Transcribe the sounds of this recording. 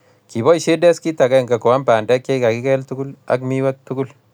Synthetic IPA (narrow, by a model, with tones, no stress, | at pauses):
ki˨bɔ˦i˨ʃe˦dɛ˦ski˦ta˨ka˦˨ŋɡa˨ko˨wa˦mpa˨nda˦kje˦jka˨ki˦kɛ˦ltu˦ɡu˦la̰˦kmi˦wa˦k̚tu˦ɡu˦l